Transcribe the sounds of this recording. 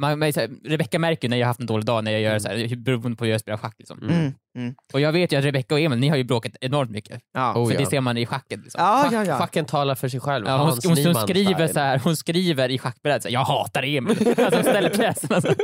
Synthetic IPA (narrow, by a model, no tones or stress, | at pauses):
manmɛsæɾɾɛbɛkːamæɾkəɾjʉnæɾjahahaft̪ɛnd̪oːlɪɡ̚d̪ɑːnæɾjɑɡjœːɾɛsæ̰ːhbɛɾuːɾʊnd̪pɔhʉɾjaspeːlaɧak̪ːɪksɔ̰m | ɔjɑːɡveːt̪jʉat̪ɾɛbɛkːaɔɛmɛnːɪhaɾjɵbɾoːkat̪ɛnɔɾmt̪mʏkːəfœdɛseːɾmanɪɧakːət̪lɪksɔ̰ɧakːənt̪ʰɑːlaɾfœʂɛjɧɛlvɑːhʊhʊnʊnskɾiːvəɾsɔhæːɾhʊnskɾiːvəɾɪɧakːbɛɾɛd̪əsɛ̰jɑːɡhɑːt̪aɾɛmnalsɔʊnst̪ɛlːəɾpʰɾɛːsənasɾ